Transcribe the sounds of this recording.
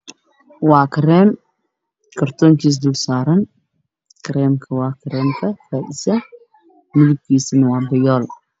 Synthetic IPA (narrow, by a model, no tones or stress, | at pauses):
wɑːkʰɪɾɛːm | kʰɐrt̪ʰɔːŋkʰiːs̬d̪ʊlsaːɾɐn | kʰɾɛːmkʰɐwɑːkʰɪɾɛːmkʰɐfaːʔɪsɐ | mɪðʊb̚kʰiːsɪnɐwɑːbɐjɔːl